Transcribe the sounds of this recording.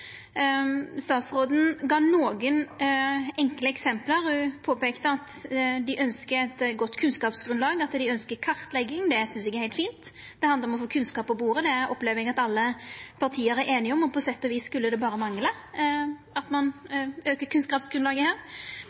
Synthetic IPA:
st̪ɑːt̪sɾoːd̪n̩ɡɑːnoːɡən | ɛŋkləɛksɛmpləɾɔpʰoːpeːkt̪əɑt̪d̪ɪʔœnskəɛt̪ɡɔt̪ːkʰʉnskɑːpsɡɾʉnlɑːɡɑt̪d̪ɪœnskəɾkʰɑʁt̪lɛɡːɪŋd̪ɛsʏnsɪkːəhæɪlt̪fiːnt̪d̪̥ɛhɑnd̪ɾɔmɔfoːkʰʉnskɑːpːɔbuːɾəd̪ɛɔpleːʋəɾɛɡɑt̪ɑlːəpʰɑʁt̪ʰiːəɾæɾʔeːnɪɔmːɔpʰɔsɛt̪ːɔʋiːsskʉlːəd̪ɛbɑːɾəmɑŋlə | ɑt̪mɑnøːkəkʰʉnskɑːpsɡ̥ɾʉnlɑːɡəhæːɾ

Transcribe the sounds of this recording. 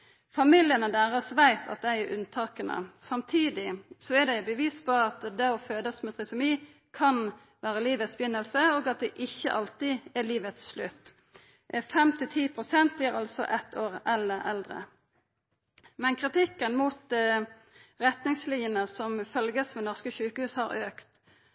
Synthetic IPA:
fɑmɪljənəd̪æːɾəsʋæɪt̪ʰɑ̰t̪̚d̪æɪæɾʔʉnt̪ʰɑːkənə̰sɑmt̪ʰiːd̪ɪsɔæd̪æɪbəʋiːspʰɔɑt̪d̪ɛɔføːd̪əsmɛt̪ʰʁɪsʊmiː | kʰɑn | ʋæːɾəliːʋət̪sbəjʏnːəlsəoːɡɑt̪̚d̪ɛʔɪçːə̰ʔɑlt̪ɪɛliːʋət̪sʂlʉt̪ː | fɛmt̪ʰɪt̪ʰiːpʰʁʊsɛnt̪̚blɪɾɑlsɔ̰ʔɛt̪ʰːoːʁɛlːəɾɛ̰ld̪ɾə̰ | mɛnkʰʁɪt̪ɪkːənmuːt̪̚d̪ | ʁɛt̪nɪŋslɪnjənəsɔmfœlɡəsmɛnɔʁskəɕʉːkəhʉːshɑɾøːkt̪

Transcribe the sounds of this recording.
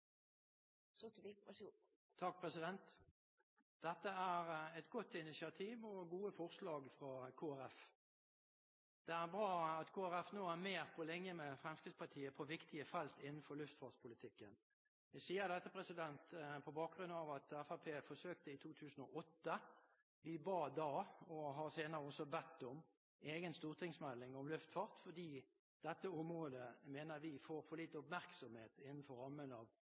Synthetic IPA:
sɔt̪ʋisu | t̪ʰɑk̚pʰʁɛsɪd̪ɛnt̪ | d̪̥ɛt̪ːəæːʁɛt̪ɡɔt̪ːɪnɪsɪɑt̪ʰiːʋɔɡuːəfɔʁslɑːɡfʁɑkʰoːæɾɛf | d̪̥ɛæʁbʁɑːɑt̪kʰoːæɾɛfnoːæʁmeːʁpʰɔlɛŋːəmɛfʁɛmskɪd̪spʰɑʈʰiːəpʰɔʋɪkt̪ɪəfɑlt̪ɪnn̩fɔɾlʉft̪fɑːspʰʊlɪt̪ʰɪkːən | ɛsiːəɾd̪ɛt̪ːəpʰɾɛsɪd̪ɛnt̪pʰɔbɑːk̚ɡɾʉnːɑʋɑt̪ɛfæpʰeːfɔsøːkt̪əɪt̪ʰuːt̪ʰʉːsən̩ɔʔɔt̪ːə | ʋɪbɑːd̪ɑːɔɦɑɾseːnəɾəɔsɔbɛt̪ːɔm | eːɡənst̪uːʁt̪ʰɪŋsmɛlːɪŋɔmlʉft̪fɑːʁt̪fɔd̪iː | d̪̥ɛt̪ːəʊmʁoːd̪əmeːnəɾʋɪfoːɾfɔliːt̪əʊpmæʁksɔmheːt̪ɪnːn̩fɔɾɑmːənɑːʋ

